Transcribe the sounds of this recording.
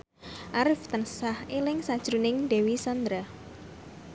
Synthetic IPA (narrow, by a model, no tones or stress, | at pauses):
ʔaɾɪft̪ənsahelɪŋsad̥ʒ̥ɾunɪŋd̪̥ewisand̪ɾa